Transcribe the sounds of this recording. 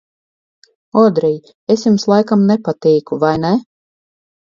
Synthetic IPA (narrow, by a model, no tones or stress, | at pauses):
ɔd̪ɾɛj | esjumslˠajkamnɛpat̪iːkuvajnɛ